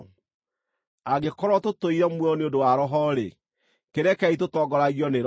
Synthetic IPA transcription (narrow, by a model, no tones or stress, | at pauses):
aɡekɔɾwɔtotoiɾɛmwɔneodowaɾɔɦɔɾḛ | keɾɛkɛitotɔɡɔɾaɣjɔneɾ